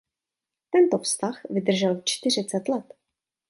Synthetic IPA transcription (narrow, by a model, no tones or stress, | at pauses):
t̪ɛnt̪ofst̪axvɪd̪r̩ʒɛlt͡ʃt̪ɪr̝ɪt͡sɛt̪lɛt̪